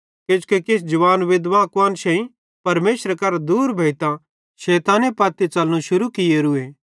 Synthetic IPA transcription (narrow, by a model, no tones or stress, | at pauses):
kɪt͡ʃkekesd͡ʒɐʋaːnʋɪd̪ʋakʋaːnʃɛ̃ĩ | pɐɾmeːʃɾkɐɾad̪uːɾbʱɐɪt̪ã | ʃeːt̪ãːnepɐːt̪et͡ʃɐlnũʃʊɾukɪjeɾueː